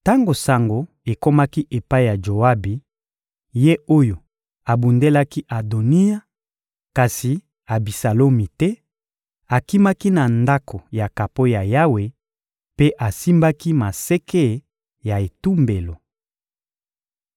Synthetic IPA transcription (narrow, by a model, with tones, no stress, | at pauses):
ta˦ŋɡo˨sa˨ŋɡo˨ | e˨ko˦ma˦ki˦ʔe˨pa˦i˦˨ja˨d͡ʒo˨a˦bi˨ | je˦o˦jo˨ | a˨bu˨nde˦la˦ki˦ʔa˨do˨ni˦a˦ | ka˨si˨ | a˨bi˨sa˨lo˦mi˨tɛ˦ | a˨ki˦ma˦ki˦na˨nda˦kʰo˨ja˨ka˨po˦ja˨ja˦we˨ | pe˦ʔa˨si˦mba˦ki˦ma˨se˦ke˦˨˦ | ja˨e˨tu˦mbe˨lo˨